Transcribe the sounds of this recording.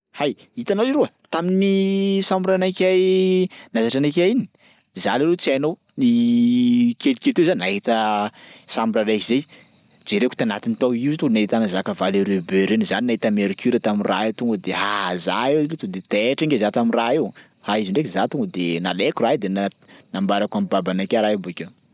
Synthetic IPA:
hajit̪anawiɾoə | t̪aminisambiɾanakʲajnazaʈ͡ʂanakʲaini̥ | zalaɾet͡sajnow | ni | kelikʲelt̪ewzaninaɦit̪ə | sambiɾaɾakizej | d͡ʒeɾeku̥t̪anat̪int̪oiet̪ulunaɦit̪anazakavaleɾebøɾenzaninaɦit̪əmeɾikyɾat̪aminra̰ewt̪uŋɡəd̪eɦaza̰ewlet̪ud̪et̪eʈ͡ʂaŋɡezat̪aminraew | haiziɳɖ͡ʐekizat̪uŋɡəd̪enalekuraid̪ena | nambaɾakamibabanakʲaɾabuekʲe

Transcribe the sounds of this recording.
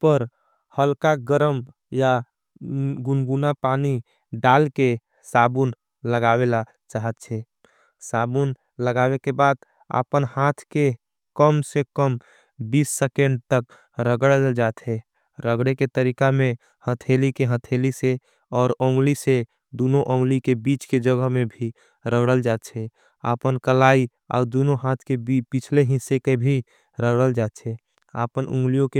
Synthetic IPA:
pəɾ | həlkaɡəɾəm | ja | ɡʊnɡunapaːni | ɖaːlke | saːbun | ləɡaːwela | t͡ʃaːɦət̪̚t͡ʃʰɛ | saːbun | ləɡaːwekebaːd̪ | ə̰pənhaːt̪ʰke | kəmsekəm | biːsːekẽɳɖ̚t̪ək̚ | ɾəɡəɽd͡ʒaːt̪ɦɛ | ɾəɡɽeket̪əɾiːkamẽ | hət̪ʰelikeɦət̪ʰelise | ɔːɾõːŋɡlise | d̪uːnoʔõːŋɡlikebiːt͡ʃked͡ʒəɡəɦmẽbʱi | ɾəɡɽəld͡ʒaːt̪t͡ʃʰɛ | a̰ːpənkəlaːi | ɔ̰ːɾd̪unoɦaːt̪ʰkebipɪt͡ʃʰleɦɪ̃sekebʱi | ɾəɡɽəld͡ʒaːt̪t͡ʃʰɛ | a̰pənʔṵ̃ŋɡlijõke

